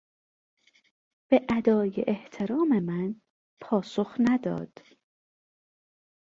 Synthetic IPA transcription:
b̥e̞ʔæd̪ɒːjḛʔeht̪ʰe̞ɾɒːme̞mæn | pʰɒːsoxnæd̪ɒ̰ːd̪̥

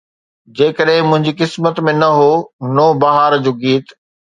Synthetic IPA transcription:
d͡ʑeːkəɗɦɪ̃mʊ̃ɦɪ̃ɲd͡ʑiːkɪsmət̪mẽnɐɦoːnoːbɐɦaːɾd͡ʑoːɡiːt̪

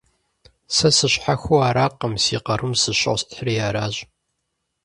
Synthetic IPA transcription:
sɐsɨɕħaxʷuaːɾaːqːəmsiːqɐrʔɨmsɨɕɨ̰ʁsħrijaːɾaːʑʼ

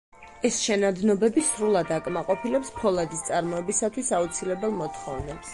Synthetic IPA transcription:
ɛsʃɛnad̪nɔbɛbisɾulˠad̪akʼmaqʼɔpʰilɛpspʰɔlˠad̪ist̪sʼaɾmɔɛbisat̪ʰwisaut̪sʰilɛbɛlˠmɔt̪ʰχɔvnɛps

